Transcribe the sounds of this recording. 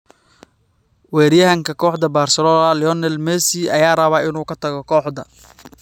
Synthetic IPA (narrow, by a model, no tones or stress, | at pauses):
wɛːɾijɐɦɐŋkʰɐkʰɔːħd̪ɐbaːrsɛlɔːlɐljɔnɛlmɛːsiʔɐjaːrɐβaːɪnuːkʰɐt̪ʰɐɣɔkʰɔːħd̪ɐ